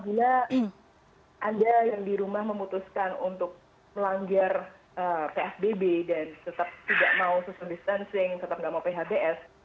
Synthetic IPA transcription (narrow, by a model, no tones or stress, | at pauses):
aabila | ʔandajaŋdiɾumahməmut̪uskanunt̪ʊk̚ | məlaŋɡar | əpeɛsbebedant̪ət̪ap̚t̪idaʔmaususandist̪ansɪŋt̪ət̪ap̚ŋɡaʔmaupeɦabeʔɛs